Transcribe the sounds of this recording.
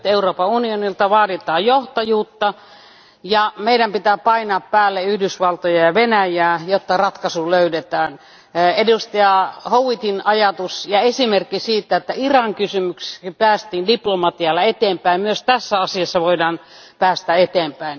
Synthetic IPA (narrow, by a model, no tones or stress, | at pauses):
t̪euroːpɑunionilt̪ɑʋɑːdit̪ɑːjjoht̪ɑjuːt̪ːɑ | jɑmeidæmpit̪æːpɑinɑːppæːlːeyhdysʋɑlt̪ojɑjɑʋenæjæːjot̪ːɑrɑt̪kɑsuløydet̪æːn | edust̪ɑjɑhouwit̪inɑjɑt̪usjɑesimerkːisiːt̪ːæet̪ːæirɑŋkysymykse̥kipæːst̪iːndiplomɑt̪iɑlːɑet̪eːmpæimmyøst̪æsːæɑsiɑsːɑʋoidɑːnpæːst̪æet̪eːmpæin